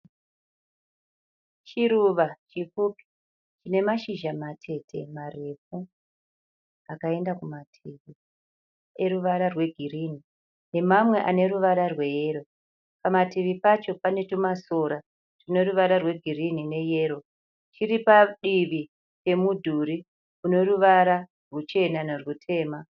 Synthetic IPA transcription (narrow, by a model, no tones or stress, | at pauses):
t͡ʃiɾuʋat͡ʃifuːpi̥ | t͡ʃine̞maʃiʒamatʰe̞tʰe̞mare̞fu | akae̞ndakumatʰiʋi | e̞ɾuʋaɾarwe̞ɡʱirini | ne̞mamwe̞ʔane̞ruʋaɾarwe̞jeɾo̞ | pamatiʋipat͡ʃo̞pane̞tumaso̞ɾa | rino̞ruʋaɾarwe̞ɡʱirinine̞je̞ːɾo̞ | t͡ʃiɾipaɗiʋi | pe̞mudʱuɾi | kuno̞ruʋaɾa | rwut͡ʃe̞nanerwutʰe̞ːma